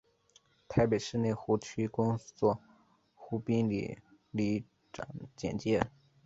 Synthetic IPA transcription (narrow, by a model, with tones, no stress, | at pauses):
t̪ʰa˥ɪpe˨˩ɪʂɻ̩˥˧ne˥˩ɪxu˧˥t͡ɕʰy˥kʊ˥ŋt͡swɔ˥˩ | xu˥pi˥ŋlḭ˨˩ | li˧˥˩ | ʈ͡ʂɑ̰˨˩˦ŋt͡ɕjɛ̰˨˩nt͡ɕjɛ˥